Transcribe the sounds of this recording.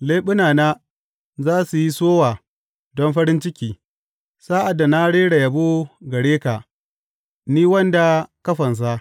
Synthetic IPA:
leː˦ɓʊ˦naː˨naː˦ | zaː˦su˨ji˦soː˦waː˨ | dɔ˦nɸɐ˦ɾɪ˦nt͡ʃɪ˦kʲiː˨ | saː˦ʔa˨dːa˨na˦ɽeː˦ɽa˨ja˨boː˦ɡɐ˨ɽeː˦ka˨ | niː˦wɐ˦nda˨kɐ˦ɸɐ˨ns̬a˦

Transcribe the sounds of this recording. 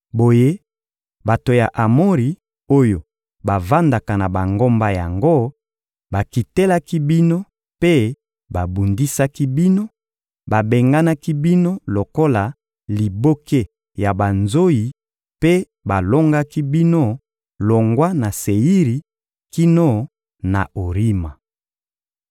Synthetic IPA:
bo˨je˦ | ba˨to˨ja˨ʔa˨mo˦ʁi˨ | o˦jo˨ | ba˨va˦nda˨ka˨na˨ba˨ŋɡo˦mba˦ja˨ŋɡo˦ | ba˨ki˨te˦la˦ki˦bi˦no˦ | pe˦ | ba˨bu˨ndi˦sa˦ki˦bi˦no˦ | ba˨be˨ŋɡa˦na˦ki˦bi˦no˦lo˨ko˦la˨ | li˨bo˦ke˦ | ja˨ba˨nzo˦ji˨ | pe˦ | ba˨lo˦ŋɡa˦ki˦bi˦no˦ | lo˨ŋɡwa˦na˨se˨i˦ʁi˨ | ki˦no˦ | na̰˨o˨ʁi˦ma˨

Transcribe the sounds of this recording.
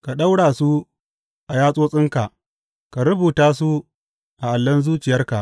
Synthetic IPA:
ka˨ɗa˦wɽaː˨su˦ | ʔa˨jaː˦sʼoː˦sʼɪ˦ŋka˨ʔ | ka˨ɾʊ˦buː˨taː˦su˦ | ʔa˨ʔa˨lːɐ˦nzuː˦t͡ʃɪ˨jɐ˦rka̰˨ʔ

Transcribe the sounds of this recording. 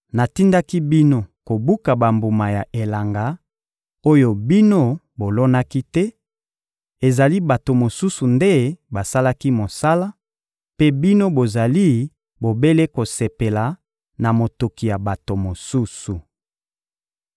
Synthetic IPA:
na˨ti˦nda˦ki˦bi˦no˦ko˨bu˦ka˨ba˨mbu˨ma˨ja˨ʔe˨la˨ŋɡa˨ | o˦jo˦bi˦no˦ | bo˨lo˦na˦ki˦tɛ˦ | e˨za˨li˦ba˨to˨mo˨su˦su˨nde˦ba˨sa˦la˦ki˦mo˨sa˦la˦ | pe˦bi˦no˦bo˨za˨li˦ | bo˨be˦le˦ko˨se˨pe˨la˨ | na˨mo˨to˨ki˨ja˨ba˨to˨mo˨su˦su˨

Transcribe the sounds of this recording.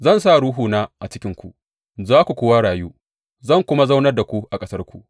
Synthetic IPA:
zɐ˦˨ns̬a˦˨ɽuː˦ɦuː˨naː˦ʔa˨t͡ʃɪ˦kʲɪ˦ŋkʷu˨ | zaː˦kʷu˨kʷoː˦wa˦ɽaː˨juː˦ | zɐ˦˨ŋkʷʊ˦ma˦za˦wnɐ˦rda˨kʷu˦ʔa˨kʼɐ˦sɐ˦rkʷu˨ʔ

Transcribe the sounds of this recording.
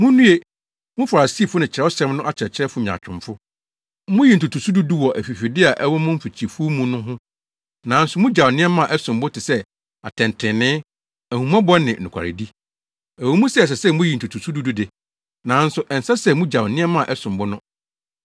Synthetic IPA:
mʊ̃˦nũ˦e˦ | mʊ̃˦fa˨ɾa˨siː˦˨fʊ˦nɪ̃˨t͡ɕʰɪ˨ɾɛ˦ɔ˦sɛ̃˦mnʊ̃˦ʔa˦t͡ɕʰɪ˨ɾɛ˨t͡ɕʰɪ˦ɾɛ˦fʊ˦ɲ̩˨a̰˨t͡ɕᶣɪ̃˨mfʊ˦ | mʊ̃˦ji˨n̩˨tu˨tʰu˨su˦du˦du˦wɔ˨ʔæ˨fi˨fi˨dɪ˦a˨ʔɛ˦wʊ˦mʊ̃˦m̩˦fi˨t͡ɕʰi˨e˨fu˦mũ˦nʊ̃˦ɦʊ̃˦ | nã˨˦n̩˦sʊ˨˦mʊ̃˦d͡ʑa˨nɪ̃˦ɛ˦mã˦˨ʔɛ˦sʊ̃˨mbʊ˦tʰɪ˨sɛ˦ | a˨tʰɛ̃˨n˨tʰɪ̃˨nɪ̃˦ | æ˨hũ˨m˦ã˦bɔ˦nɪ̃˨nʊ̃˨kʰa̰˨ɾɪ̰˨di˦ | æ˨wɔ˦mũ˦sɛ˦˨s̬ɛ˨sɛ˦˨mʊ̃˦ji˨n̩˨tʰu˨tʰu˨su˦du˦du˦de˨ | nã˨˦n̩˦sʊ˨ʔɛ˨n̩˨sa˦sɛ˦˨mũ˦d͡ʑa˨wnɪ̃˦ɛ˦mã˦˨ʔɛ˦sʊ̃˨mbʊ˦nʊ̃˦

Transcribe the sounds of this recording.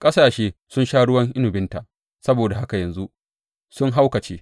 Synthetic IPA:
kʼɐ˦saː˨ʃeː˦sʊ˦nʃaː˦ɽʊ˦wɐ˦ŋʔɪ˦nʊ˨bɪ˦nta˨ʔ | sɐ˦boː˨da˨ɦa˦ka˨jɐ˨nzu˦ʔ | sʊ˦ŋɦa˦wkɐ˨t͡ʃeː˦

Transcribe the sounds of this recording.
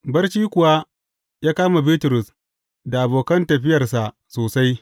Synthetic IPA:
bɐ˦rʃiː˦kʷʊ˨wa˦ | jaː˦kaː˦ma˨biː˦tʊ˨ɾʊ˨s | da˨ʔa˨boː˨kɐ˦ntɐ˨ɸɪ˦jɐ˨rsa˨ʔ | soː˨sa˦j

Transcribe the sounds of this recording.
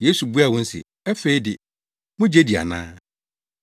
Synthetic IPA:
je˦su˨bu˦a˨wʊ̃˦n̩˦sɪ̰˨ | ɛ˦fe˦i˦dɪ˨ | mʊ̃˦d͡ʑe˦di˨a̰˨nã̰ː˦

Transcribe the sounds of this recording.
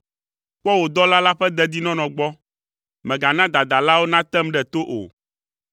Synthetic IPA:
k͡pɔ˦wo˨d̪ɔ˦la˦la˦ɸɛ˦d̪ɛ˦d̪i˦nɔ̃˦nɔ̃˨ɡ͡bɔ˦ | mɛ̃˨ɡa˨nã˦d̪a˨d̪a˨la˦wo˦nã˦t̪ɛ˦mɖɛ˨t̪o˦ʔo̰˨

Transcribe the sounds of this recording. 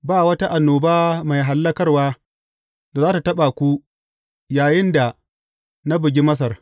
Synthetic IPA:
baː˦˨wɐ˦ta˦ʔa˨nːoː˨baː˦ma˨jɦa˨lːɐ˦kɐ˦rwaː˦ | da˨zaː˦ta˨tɐ˦ɓa˨kʷu˦ | jaː˨jɪ˦nda˨ | na˦bɪ˨ɡʲi˦mɐ˦s̬ɐ˨r

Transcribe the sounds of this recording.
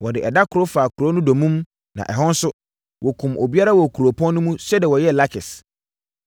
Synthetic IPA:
wɔ˨dɪ˨ʔɛ˨da˦kʰʊ˨ɾo˦faː˨kʰu˨ɾo˦nʊ̃˦do˨mũ˦m | nã̰˨ʔɛ˨ɦɔ̃˦n˦sʊ˦ | wʔɔ˨kʰũ˨mʔo˨bi˦a˦ɾa˦wɔ˨kʰu˨ɾo˨pʰɔ̃˦n˦nʊ̃˦mũ˦sɛ˦dɛ˨wɔ˨jɛ˦˨la˦kʰɪ˨s

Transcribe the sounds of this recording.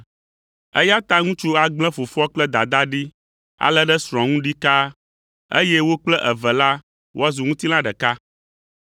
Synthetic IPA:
ə̰˦ja˦t̪a˦ŋũ˦t͡ʃu˦a˨ɡ͡blɛ̃˦fo˨fɔ˦k͡plɛ˦d̪a˨d̪a˦ɖi˦ | a̰˨lɛ˦ɖɛ˦sɾ̃ɔ̃˨ŋũ˦ɖi˦ka˦ | ḛ˦jɛ˦wo˦k͡plɛ˦ʔɛ˨vɛ˨la˦ | wo̰˦a˦zu˨ŋũ˦t̪i˦lã˦ɖɛ˨ka˦

